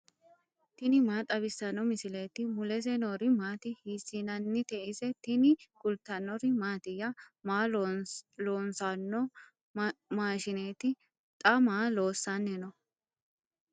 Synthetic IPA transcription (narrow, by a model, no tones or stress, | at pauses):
t̪ɪnɪmaːt̪ʼɐbɪsːɐnɔmɪsɪleːt̪ɪmʊlɛs̬ɛnɔɾɪmaːt̪ɪhiːsːɪnɐnːɪt̪ɛʔɪsɛt̪ɪnɪɡ̥ʊlt̪ːɐnːɔɾɪmaːt̪ɪjɐ | maː | loːnsɐnːɔ | maːʃɪneːt̪ɪ | t̪ʼɐmaːlo̞ːsːɐnːɛnɔ